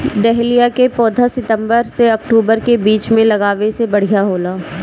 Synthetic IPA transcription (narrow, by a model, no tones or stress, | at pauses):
ɖɛɦlijakepɔːd̪ʱasɪt̪ə̃mbəɾseɐk̚ʈuːbəɾkebiːt͡ʃmẽlɐɡaːʋesebɐɽ̤ijaɦoːlaː